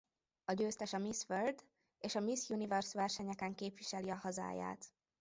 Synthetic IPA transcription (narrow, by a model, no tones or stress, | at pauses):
ɒɟøːst̪ɛʃɒmisførd̪ | eːʃɒmisjunivɛrsʋɛrʃɛɲɛkɛŋkeːpʋiʃɛliɒhɒza̰ːja̰ːt̪